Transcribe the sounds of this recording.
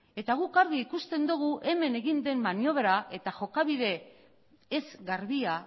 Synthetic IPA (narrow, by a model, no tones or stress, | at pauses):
e̞t̪aɣ̞ukaɾɣiːkust̪e̞nd̪uɣ̞uʔe̞me̞ne̞ɣind̪e̞mːanjo̞βeɾaʔe̞t̪aʝo̞kaβiðe̞ː | zɣaɾβia